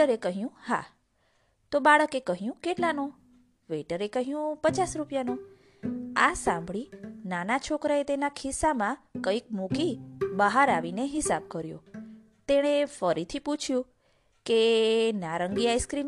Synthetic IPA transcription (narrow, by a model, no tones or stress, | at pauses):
əɾekəɦjũha̰ | t̪obaɭəkekəɦjũkeʈlano | ʋeʈəɾekəɦjũpət͡ʃasɾupjano | asãmbʱɭinanat͡ʃʰokɾaet̪enakʰisamãkəik̚mukibəɦaɾaʋineɦɪsab̚kəɾjo̰ | t̪eɽ̃efəɾit̪ʰiput͡ʃʰjũ | kenaɾəŋɡiajskɾin